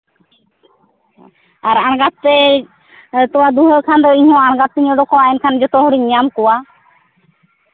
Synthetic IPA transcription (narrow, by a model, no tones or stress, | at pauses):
aɾanɡat̪̚t̪ɛ | t̪ɔwad̪uɦəkʰand̪ɔiɲɔ̃anɡat̪̚ːiɲɔ̃ɖ̪ɔkɔaɛnkʰand͡ʒɔt̪ɔɦuɽiɲɲamkɔwa